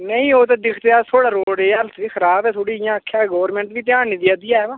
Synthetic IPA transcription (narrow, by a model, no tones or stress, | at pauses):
nəĩːoːt̪aːd̪ɪkʰt̪eaːt̪ʰoːɽaːɾoːɽeːəlt̪ʰʋiːkʰəɾaːbɛːt̪ʰoːɽiːɪjãːəkʰːjaːɡɔːʋɾmɛ̃ːɳʈʋiːt̪̬ɪãːniːd̪iad̪iaːɛːʋãː